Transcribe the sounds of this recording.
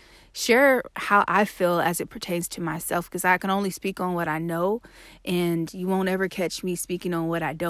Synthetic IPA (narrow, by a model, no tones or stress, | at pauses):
ʃʊɹhaʊʔaɪfilˠɨzɨt̚pʰɹ̥ətʰẽɪ̃nz̥tʰɨmaɪsɛlˠfkʰʌzaɪkɨ̃ñõʊ̃nlispikn̩wʌɾaɪnoʊ | ʔɨ̃njɨwõʊ̃ntɛvə˞kʰæt͡ʃmispikɪ̃ŋə̃nwʌɾaɪdõ